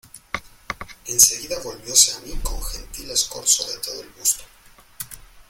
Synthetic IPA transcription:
e̞nseɣiðaβo̞lβjo̞seamiko̞ŋxent̪ilesko̞̰ɾsoðet̪o̞ðoelβust̪o

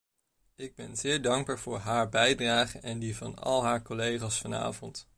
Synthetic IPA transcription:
ɪɡ̚bɛnzɪːɹdɑŋɡbaːɹv̥ʊːɹɦaːɹbɛjdraːχənɛndivɑ̰nɑ̰lˠɦaːɹkɔlejχaːsfɑna̰ːvɔnt

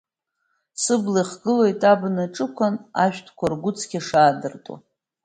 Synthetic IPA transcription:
sɨbliχɡɨlo̞jtʼabnɨʈ͡ʂʼɨkʷʰana̰ʃᶣtʰkʷʰarɡʷʊt͡sʰɡʲaʂaːdɨrtʼa̰

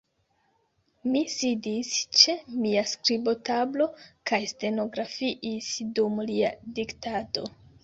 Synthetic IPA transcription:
misidist͡ʃe̞miaskɾibo̞tablo̞kajste̞no̞ɡɾafiʔisdumlia̰diktato̞̰

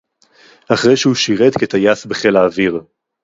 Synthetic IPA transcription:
aχʁejʃehuʃiʁet̪ket̪ajasbeχelaːviʁ

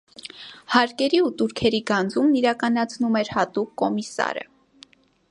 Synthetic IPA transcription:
hɑɾkɛɾiut̪uɾkʰɛɾiɡɑnd͡zumniɾɑkɑnɑt͡sʰnumɛɾhɑt̪ukːɔmisɑ̰ɾə̰

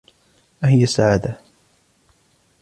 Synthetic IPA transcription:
wahɪjasːaʕaːd̪a

